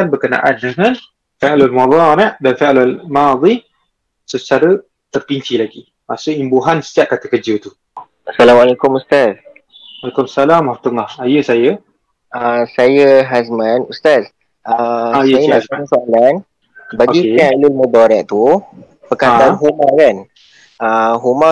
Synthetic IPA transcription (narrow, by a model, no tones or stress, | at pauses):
anbərkəna̰ʔandəŋan | falalmad̪ˤɑnadanfalalmad̪ˤi | sət͡ʃaɾə | t̪ərpiɲt͡ʃilaɡi | pasoimbuɦansə̥taʔ̚kat̪akəd͡ʒət̪u | asalamwalekʊmust̪as | walakumasalamat̪əŋahajəsajə | əsajəɦasmãnust̪as | ʔəsjəajənaasoalan | baɡisɛalilmɔdɔɾɛʔ̚t̪u | pəkad̪anɦumakan | əɦuma